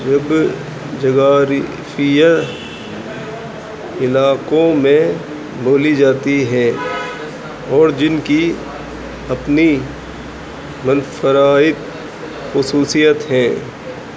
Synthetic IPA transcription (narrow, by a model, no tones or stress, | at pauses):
d͡ʒɐb | d͡ʒɐɡaːɾ | fɪjə | ɪlaːkõmẽ | boːlid͡ʒaːt̪iɦɛ̃ː | ɔːɾd͡ʒɪnki | ɐpni | mɐnfəɾaːɪt̪ | xʊsuːsijət̪ɦɛ̃ː